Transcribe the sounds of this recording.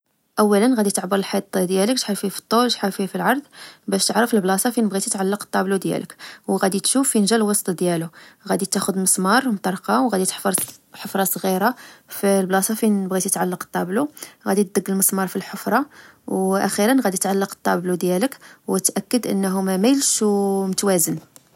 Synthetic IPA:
ʔæwːælənɣæd̪it̪əʕbəɾəlħit̪ˤːd̪jæləkʃħaɾfifi̥t̪ˤːolʒħafifilʕɑɾˤd̪ˤbæʃt̪əʕɾəfəlblɑsˤɑfinəbɣit̪it̪ʕalːɑqt̪ˤːɑblud̪jæ̰ləkwɣæd̪it̪ʃufːinʒælwɑsˤt̪ˤɑd̪jæluɣæd̪it̪æxʊd̪məsˤmɑɾˤmt̪ˤɑɾˤqɑwɣæd̪it̪ə̥ħfəɾˤħəfɾˤɑsˤɣiɾaflblɑsˤɑfibɣit̪ət̪ʕalːɑqt̪ˤːɑbluɣæd̪it̪̚d̪əɡːəlməsˤmɑɾˤfilħofɾˤɑ | wʔæxiɾənɣæd̪it̪ʕalːɑqt̪ˤːɑ̰blud̪jæləkwət̪ʔækːəd̪ʔə̰nːɦʊmæmæjlʃwmət̪wæzən

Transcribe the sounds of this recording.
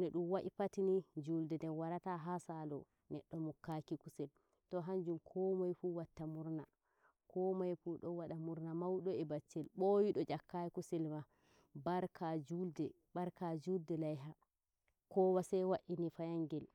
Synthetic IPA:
nɛɗumwaʔipatinid͡ʒuldɛndɛnwaɾataɦasalɔ | nɛɗːɔmukːakikusɛl | tɔɦaɲd͡ʒumkʰɔmajfuwatːamuɾna | kʰɔmajfuɗɔwaɗamuɾnamawɗɔɛbat͡ʃːɛlɓojiɗɔd͡ʒakːajikusɛlma | baɾkʰad͡ʒuldɛ | baɾkad͡ʒuldɛlajɦa | kɔwasɛwaʔinifajaŋɡɛl

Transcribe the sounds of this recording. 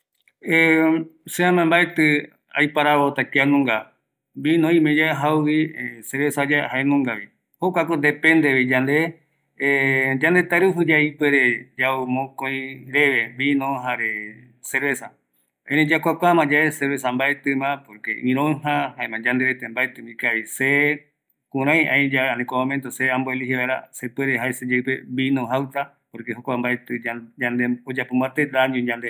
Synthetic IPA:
eseãmãmbaet̪ɨ | a̰jpaɾaβot̪ak̪ianõŋɡa | binõĩmẽd͡ʒaɦawwiseɾβesad͡ʒahaenõŋɡaβi | hokʷakod̪epẽnd̪eβid͡ʒand̪e | d͡ʒãnd̪et̪aɾɨɦɨd͡ʒaipeɾed͡ʒaumõkõĩɾeʋebinõɦaɾe | seɾβesa | ẽnĩd͡ʒakʷakʷamãd͡ʒaeseɾβes̬ãmbaet̪ɨmãpoɾkḛʔĩɾ̃õɦãɦaẽmãd͡ʒãnd̪eɾet̪embaet̪ɨ̃mĩkaβise | kũɾ̃ãj̃ʔãj̃d͡ʒaanĩkʷamõmẽnt̪oseãmboeliɦeβaeɾa̰sepweɾeɦaesed͡ʒaipeβinõɦawt̪a | poɾkeɦokʷambaet̪ɨad͡ʒãnd̪eod͡ʒapombat̪eɾaɲũd͡ʒãnd̪e

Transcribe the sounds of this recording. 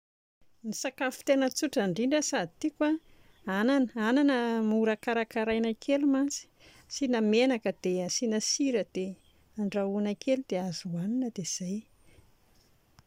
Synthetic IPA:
nisakafi̥t̪enət͡suʈ͡ʂaɳɖ͡ʐiɳɖ͡ʐəsad̪it̪ikwa | ananəananəmuɾakaɾakaɾajnakʰelumant͡si̥ | sinamenakəd̪̥eəsinəsiɾəd̪̥e | aɳɖ͡ʐaunakelud̪eazuaninəd̪ez̥aj

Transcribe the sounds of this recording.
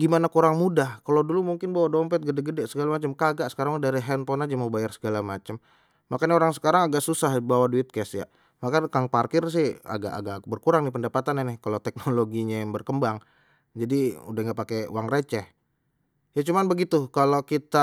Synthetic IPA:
ɡimanakuɾaŋmudahkalodulumuŋkɪnbawadɔmpɛt̪̚ɡədɛɡədɛʔsəɡalamat͡ʃəmkaɡaʔsə̥kaɾaŋdaɾiɦɛnpɔnad͡ʒamobajarsə̥ɡalamat͡ʃəm | makanaoɾaŋsə̥kaɾaŋaɡaʔsusahbawaduɪt̪̚kɛsja̰ | makakaŋparkɪrs̬ɪha̰ɡa̰ʔa̰ɡakbərkuɾaŋdipəndapat̪ananɪhkalot̪ɛk̚noloɡiɲajaŋbərkəmbaŋ | d͡ʒadiṵdahŋɡaʔpakeṵwaŋret͡ʃɛh | jat͡ʃumanbəɡit̪ukalokit̪a

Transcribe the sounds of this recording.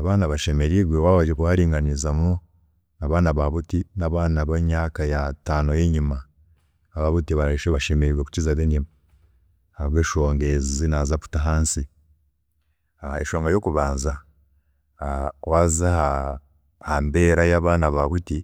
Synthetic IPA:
aβaːnaβaʃe̞me̞ɾiβwewaβad͡ʒekuwaɾiːŋɡanizamu | naβaːnaβaβutinaβaːnaβaɲaːkajataːno̞jeɲima | aβaβutiβaɾaiʃeaʃe̞meɾiɡweku̥cizaðenim | aβeʃoːŋɡezizinazapu̥taɦaːnsi | aeʃo̞ːŋɡajo̞kuβaːnza | wazaha | hambe̞ːɾajaːβaːnaβaβuti

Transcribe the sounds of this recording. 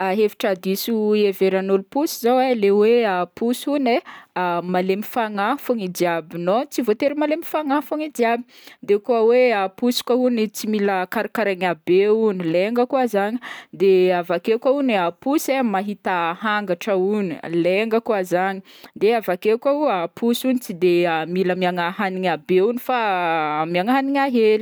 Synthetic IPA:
aɦevi̥ʈ͡ʂad̪isueveɾanulupusizaweleweapusune | malemifaŋafuŋidiabinot͡sivot̪eɾimalemi̥faŋafuŋidiabi̥ | d̪ekuaweapusi̥kʷaunit͡similəkaɾikaɾaɲabeunileŋɡəkuazaɲid̪eavakekauniapusemaɦit̪aɦaŋɡaʈ͡ʂəunileŋɡəkuazaɲi | d̪eavakekʷauapʰusunit͡sid̪eamiləmiaŋaɦaniŋabeunifamiaŋaɦaniŋaɦeli̥

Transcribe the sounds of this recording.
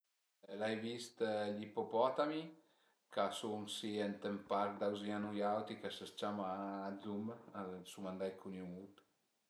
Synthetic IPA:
lajvist̪ʎipopɔt̪ami | kasumsiɛnt̪empaɾd̪awzianujawt̪ikasəst͡ʃamaːd̪zumsumand̪ajkʰunumut̪

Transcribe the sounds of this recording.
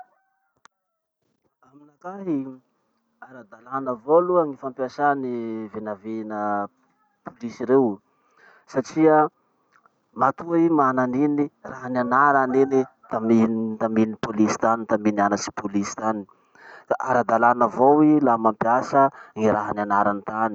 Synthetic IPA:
aminakaɦi | aɾad̪alanəvoluəŋifampiasanivenavenə | pulisiɾew | saʈ͡ʂiə | mat̪uaimananiniraɦananaɾaninit̪amint̪aminipolisi̥t̪anint̪aminianasi̥pulisi̥t̪ani | ʔaɾad̪alanəvowilamampiasəŋiɾaɦananaɾant̪ani̥

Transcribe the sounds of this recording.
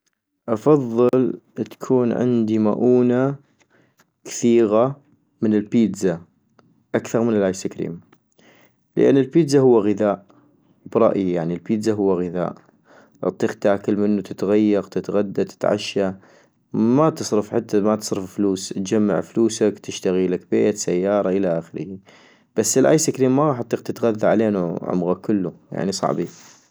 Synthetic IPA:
ʔɑfɑðˤːɨlt̪ḁkʰuːnʕɪ̰nd̪ima̰ʔuːna | kḁθiːɣa | mɪnɪlpiːd̪za | ʔakθɑɾˤmɪnɪlʕaːjsakɾḭːm | lə̰ʔa̰nːɪlpiːd̪zaɦʊwːaɣəðaːʔ | bɾˤɑ̰ʔjijaʕnilpiːd̪zaɦʊwːaɣɪða̰ːʔ | ʔɑ̰t̪ˤːiːqt̪aːkɪlmɪnːut̪ɪt̪ɣajːɑɣt̪ɪt̪ɣad̪ːat̪ɪ̥t̪ʕa̰ʃːa | mat̪ɨsˤɾɨfħat̪ːamat̪ɨ̥sˤɾɨffluːst̪̚d͡ʒamːa̰ʕfluːsakt̪ɪʃt̪aɣilakbeːt̪sajːɑːɾˤɑʔɪlaʔaxɪɾɪhi | b̥asːɪlʔa̰ːjsɪkɾiːmːaɣɑːħɑt̪ˤːiːqt̪ɪt̪ɣaðːaʕaleːnuʕʊ̰mɣakʊlːuja̰ʕnisˤɑ̰ʕbi

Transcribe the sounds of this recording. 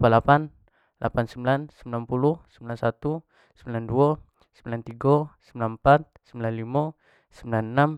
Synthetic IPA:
palapan | lʔa̰pansəmbilansəmbilanpuluhsəmbilansat̪u | səmbilandua | səmbilant̪iɡɔsəmbilanmpat̪̚səmbilanlima | səmbilannam

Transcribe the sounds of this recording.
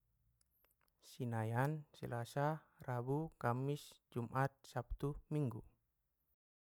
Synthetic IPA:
sinajansə̰lasa | rabukamisd͡ʒumʔat̪̚sap̚t̪umiŋɡu

